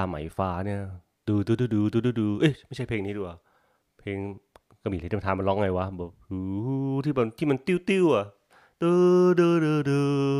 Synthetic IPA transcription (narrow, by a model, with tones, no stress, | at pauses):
aː˧mːa̰˩˦jfaː˧ni˥˩ɐ | dɯː˧d̪ɯː˧dɯː˧dɯː˧t̪ɯː˧˩dɯː˧˩dɯː˧ʔe˧˥˩ma˥˩jt͡ɕʰa˥˩jpʰeː˧ŋniː˦˥du˧˩ka˨˩ | pʰeː˧ŋ | ka˧˩miː˧˩˨t̪ʰaː˧ma˧nlɔ˦˥ŋa˧jwa˦˥bɔː˨˩p̚hɯː˨˦˩t̪ʰiː˥˩bɛ˧˩t̪ʰiː˥˩ma˧nt̪i˥˩˨wt̪i˥˩wʔa˨˩ʔ | d̪ɤː˧dɤː˧dɤː˧dɤː˧